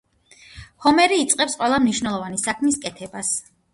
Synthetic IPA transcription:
hɔmɛɾiːt̪sʼqʼɛpsqʼwɛlˠamniʃnɛlˠɔvanisakʰmiskʼɛt̪ʰɛbas

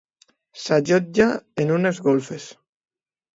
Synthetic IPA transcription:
saʒod͡ʒaenunezɣolfes

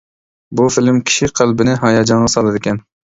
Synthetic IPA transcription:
bufɪlɪmkʲʰi̥ʃiqʰælbɪnɪɦɑjɑd͡ʒɑɴʁɑsɑlˠɨd̪ɪkʲʰɛn

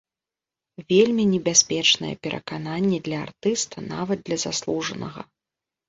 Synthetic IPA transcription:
vʲelʲmʲinʲɛbʲasʲpʲɛt͡ʂnɐjɛ̰pʲɛɾʔɐ̰kananʲːɛd̪lʲɐa̰rt̪ɨst̪ʰɐna̰vɐd̪̚d̪lʲɐzaslˠuʐɐnɐɣɐ̰

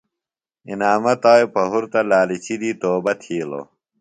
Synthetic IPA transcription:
ḭnaːmɐt̪aːjpɐɦuɾt̪ɐlaːlit͡ɕʰid̪iːt̪oːbɐt̪ʰiːlo̰

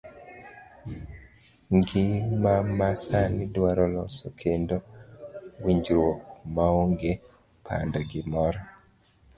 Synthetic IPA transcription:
ŋɡɪmamasanɪdwaɾɔlɔsokʰendo | wiɲd͡ʒwokmaoŋɡe | pʰa̰ndɔɡɪmɔɾɔ

